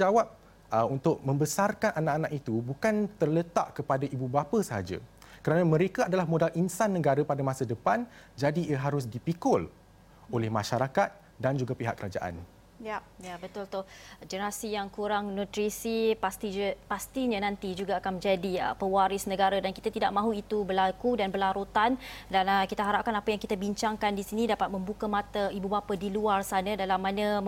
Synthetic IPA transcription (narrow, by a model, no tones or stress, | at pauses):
d͡ʒawap̚ | əunt̪ʊʔ̚mə̃mbəsarkanʔanaʔanãkit̪ubukant̪ərlət̪a̰ʔkəpadaʔibubapasəɦa̰d͡ʒa̰ | kəɾanãmə̃ɾekaadalahmõdalʔinsanːə̃ɡaɾapadamãsadəpand͡ʒadiəɦaɾʊs̬dipikʊl | olɛhmaʃaɾakat̪̚ | dand͡ʒuɡapiɦa̰ʔkːəɾad͡ʒa̰ʔa̰n | ja | jabət̪ʊlt̪ʊd͡ʒənəɾasijaŋkuɾaŋnɔt̪ɾisipast̪ipast̪iɲãnãnt̪id͡ʒuɡaːkanmə̃ɲd͡ʒadiə̰pəwaɾɪsnə̃ɡaɾadanki̥t̪at̪idaʔ̚mãɦuit̪ubəlakudanbəlaɾut̪andanəkit̪aɦaɾap̚kanapajaŋkit̪abiɲt͡ʃaŋkandisinĩdapat̪̚mə̃mbukamat̪aibubapadiluarsanə̃dalamːanə̃